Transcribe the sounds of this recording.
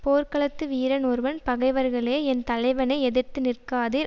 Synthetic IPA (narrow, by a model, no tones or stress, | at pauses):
poːɾkɐɭɐt̪ːɯʋiːɾɐnɔɾʋɐnpɐɣɐɪʋɐɾɣɐɭeːɛnt̪ɐlɐɪʋɐnɐɪɛðɯɾt̪ːɯnɪrkaːðiɾ